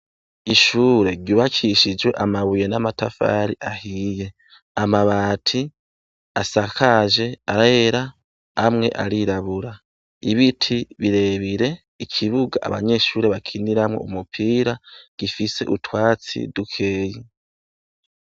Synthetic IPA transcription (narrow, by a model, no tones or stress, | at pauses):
iʃuːɾe̞ɾɟuːβakʰiʃid͡ʒwe̞ʔamaβuje̞namatafa̰ɾiʔahiːje̞ | amaβaːtʰi | asakʰaʒe̞aɾeɾa | amŋe̞̰ʔa̰ɾiɾaβuɾa | iβitʰiβiɾe̞ːβiɾe̞ | ikʰiβuɡaʔa̰βa̰ɲe̞ʃuːɾe̞βakʰiniɾamŋo̞̰umupʰiːɾaɡ̥ifise̞ʔutwaːt͡sḭdukʰe̞ːji